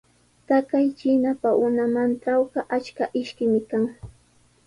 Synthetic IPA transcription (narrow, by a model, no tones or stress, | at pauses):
t̪akajt͡ʃɪnapaʔʊnamanʈ͡ʂawɢɑʔat͡ʃkaʔɪʃkɪmɪkaŋ